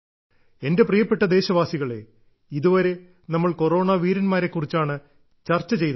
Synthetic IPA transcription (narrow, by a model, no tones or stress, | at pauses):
e̞nde̞prijɐpːe̞ʈːɐd̪e̞ːɕɐʋaːsiɣɐɭe̞ | iðuʋɐɾe̞ | nɐmːɐɭko̞ro̞ːɳaːʋiːɾɐnmaːɾe̞kːurit͡ɕːaːɳɨ | t͡ɕɐrt͡ɕːɐt͡ɕe̞jt̪ɐ